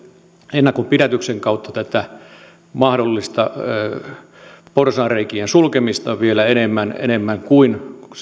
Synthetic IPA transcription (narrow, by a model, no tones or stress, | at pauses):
enːɑkompiɾæt̪ykseŋkɑut̪ːɑt̪æt̪æ | mɑhdolːist̪ɑ | porsɑːreikiensulkemist̪ɑʋielæenemːænḛnemːæŋkuin